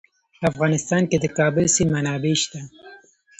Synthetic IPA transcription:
afɣɑnɪst̪ɑnked̪əkɑbʊlsimanɑbeʃt̪a

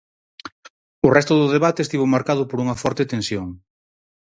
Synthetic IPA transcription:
ʊrɛst̪ʊðʊðeβat̪est̪iβomaɾkaðʊpoɾuŋɐfɔɾt̪et̪ẽnsjoŋ

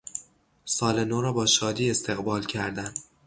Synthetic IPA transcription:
sɒːlenoɾɒːbɒːʃɒːd̪iːe̞st̪ʰe̞ɣbɒːlcʰæɾd̪æn

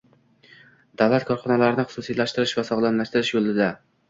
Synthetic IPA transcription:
d̪̥avlat̪kʰɒɾχɒnɒlaɾɪnɪχʊ̥susijlaʃt̪ɪɾɪʃvasɒʁlˠanlaʃt̪ɪɾɪʃjolˠɪd̪a

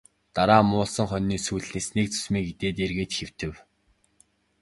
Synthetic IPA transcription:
t̪aɾaːmʊːɮsə̆ŋχœnːiːsujɮneːsnek̚t͡sɵ̥smiːket̪eːt̪erɣeːt̪xew̥t̪ɘ̆w

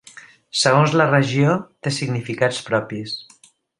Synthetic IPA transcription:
səɣonzlərəʒiot̪esiɡnifikat͡spɾɔpis

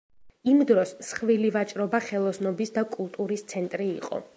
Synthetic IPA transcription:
imd̪ɾɔsːχvilivat͡ʃʼɾɔbaχɛlˠɔsnɔbisd̪akʼulˠt̪ʼuɾist̪sʰɛnt̪ʼɾiːqʼɔ̰

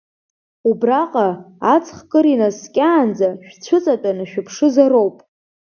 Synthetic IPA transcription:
ubraqʼaː | t͡sʰχkʼɨɾinaskʲʼaːnd͡zaʃᶣt͡ɕʷʰʊt͡sʼatʼanaʃᶣapʰʂɨzaɾo̞wpʼ

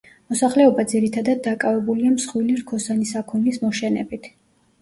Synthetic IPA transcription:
mɔsaχlɛɔbad̪ziɾit̪ʰad̪ad̪̚ːakʼavɛbuliamsχwiliɾkʰɔsanisakʰɔnismɔʃɛnɛ̰bit̪ʰ

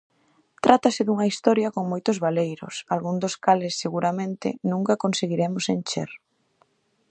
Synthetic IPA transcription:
t̪ɾʔat̪asɪðuŋɐist̪ɔɾjɐkoŋmojt̪ʊzβalejɾʊ̰salɣuŋd̪ʊskalɪsːeɣuɾamẽnt̪ɪ̰nũŋkakonseɣiɾemʊsent͡ʃḛɾ

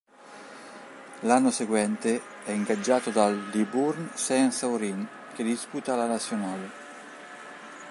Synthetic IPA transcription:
lanːoseɡwɛnt̪e | ɛiŋɡad͡ʒːaːt̪od̪ald̪iburnsɛnsaoɾin | ked̪isput̪alanat̪sːjonaːle

